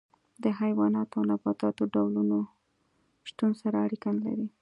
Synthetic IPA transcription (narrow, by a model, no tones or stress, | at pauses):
d̪əɦajwɑnɑt̪oawnafɑt̪ɑt̪oɖawluno | ʃt̪unsaɾaːɽikanla̰ɾi